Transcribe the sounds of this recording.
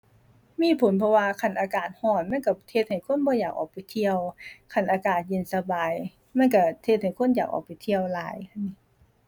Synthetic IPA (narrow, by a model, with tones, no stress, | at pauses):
miː˧˥˨pʰo˨˦npʰɔ˧waː˧kʰa˧˩nʔaː˧kaː˨˩t̪̚hɔː˧˩nma˧˥˨nka˧˩t̪ʰe˧t̪̚ha˨˩jkʰo˧˥˨nbɔː˧jaː˨˩k̚ʔɔ̰ː˨˩k̚pa˨˩jt̪ʰi˧əwkʰa˧˩nʔaː˧kaː˨˩t̪̚je˧˨nsa˧baː˨˩j | ma˧˥˨nka˧˩t̪ʰe˧t̪̚ha˨˩jkʰo˧˥˨njaː˨˩k̚ʔɔ̰ː˨˩k̚pa˨˩jt̪ʰi˧əwlaː˨˦jkʰa˧˩nːi˧˥